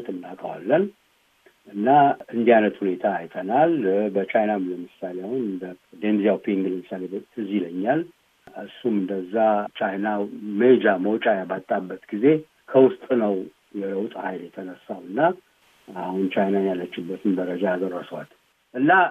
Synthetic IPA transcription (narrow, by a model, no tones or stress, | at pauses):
t̪ʰʼɨnːakʼəwa̰lːən | ʔɨnːaɨnd̪ianət̪hune̞t̪ʰaːjt̪ʰənalbət͡ʃajnaləmɨsalejahunɨnd̪əd̪enzijawpʰeŋɡɨlmɨsalet̪ʰɨziləɲːal | ʔɨsːumɨnd̪əzːat͡ʃʰajnamed͡ʒaməwt͡ʃʼajabat̪ʼːabːət̪ɡize | kʰəwʊst̪ʼnəw | jɛləwt̪ʼhajljɛt̪ʰənəsːawɨnːa | ahunt͡ʃʰajnajjalːət͡ʃːɪbːət̪ʰɨnbəɾəd͡ʒaad̪əɾasəwa̰t̪ | ʔɨnːa